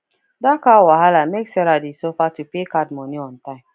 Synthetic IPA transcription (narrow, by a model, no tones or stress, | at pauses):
dakawaɦalameksɛɾadisofatupekadmɔniɔ̃ntãɪ̃m